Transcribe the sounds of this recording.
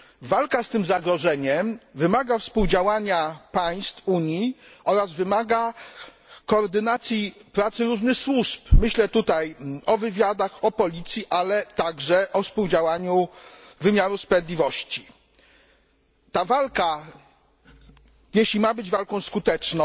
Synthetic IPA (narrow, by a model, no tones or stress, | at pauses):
valkast̪ɘmzaɡɾɔʐɛɲɛmvɘmaɡafspuwd͡ʑawaɲapaj̃st̪fuɲjiɔɾazvɘmaɡa | kɔːɾd̪ɘnat̪sʲjipɾat̪sɘɾuʐnɘxswuʂpmɘɕlɛt̪ut̪ajɔvɘvʲjad̪axɔpɔlʲit̪sʲjiʔalɛt̪aɡʐɛʔɔfspuwd͡ʑawaɲuvɘmʲjaɾuspɾɛd̪lʲivɔɕt͡ɕi | t̪avalka | jeɕlʲimabɘd͡ʑvalkɔ̃w̃skut̪ɛt͡ʂnɔ̃